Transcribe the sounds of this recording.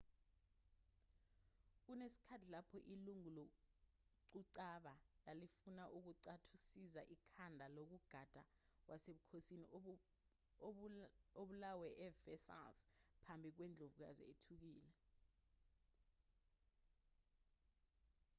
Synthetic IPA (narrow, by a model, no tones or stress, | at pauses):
k̬unesi̥kʰatʰilapʰɔʔiluŋulɔ | ǀuǀaɓalalifunaʔuk̬uǀatʰusizaʔikʰandʱalok̬uɡ̥ʱad̥ʱak̬wʔaseɓukʰosini | oɓulawɛʔɛvɛsa̰lspʰambʱik̬wɛnd͡ɮʱovuk̬a̰zḭetʰuk̬iːlɛ